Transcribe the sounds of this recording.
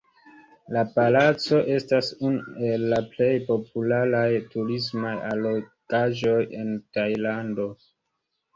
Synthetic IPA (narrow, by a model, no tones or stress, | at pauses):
lapalat͡so̞ʔe̞stasunue̞lːaple̞jpo̞pulaɾajtuɾismajalokaʒo̞je̞ntajlando̞